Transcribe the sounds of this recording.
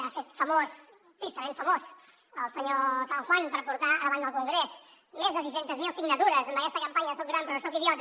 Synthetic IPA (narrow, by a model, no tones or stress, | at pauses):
aset̪fəmos | t̪ɾist̪əmẽɱfəmos | əlˠsəɲosaŋxwanpəɾpuɾt̪aəðəβand̪əlˠkuŋɡɾes | mezðəsis̬ɛnt̪əzmilˠsiɡnət̪uɾəzəmbəkɛst̪əkəmpaɲəsok̚ɡɾampəɾɔsokiðijɔt̪